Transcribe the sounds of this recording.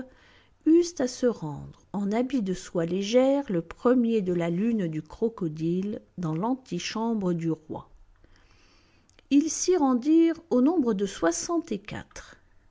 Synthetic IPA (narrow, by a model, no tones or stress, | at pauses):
yzt̪asəʁɑ̃d̪ʁɑ̃nabid̪əswaleʒɛʁləpχəmjed̪əlalynd̪ykχɔkɔd̪ild̪ɑ̃lɑ̃t̪iʃɑ̃bʁəd̪yʁwa̰ | ilsiʁɑ̃d̪iʁonɔ̃bʁəd̪əswasɑ̃t̪ekʲa̰t̪χ